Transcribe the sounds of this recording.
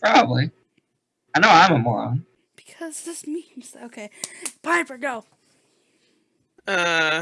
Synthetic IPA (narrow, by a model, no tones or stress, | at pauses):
pʰɹ̥ɑbəbli | aɪnoʊãɪ̃məmɔ̰ɹõ̰n | b̥ɨ̥kʰʌzðɪsmĩnz̥oʊkʰeɪpʰãɪ̃nfə˞ɡoʊ | ʌ